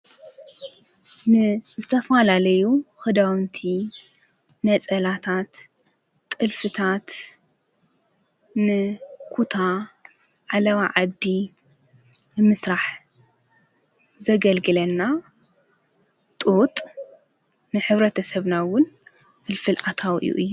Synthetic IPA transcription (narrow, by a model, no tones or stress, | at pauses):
nɨzɨt̪ʰɐfalalɐjuxɨd̪awnt̪ʰi | nɐt͡sʼɐlat̪ʰat̪ʼː | ɨlfɨt̪ʰat̪ | nɨkʰut̪ʰa | ʕalɐβaʕad̪ːi | nɨmɨsɾaħ | zɐɡɐlɡɨlɐnːa | t̪ʼut̪ʼ | nɨħɨβɾɐt̪ʰɐsɐβnawʊn | fɨlfɨlʔat̪ʰawʔɨ̰jṵʔɨjːu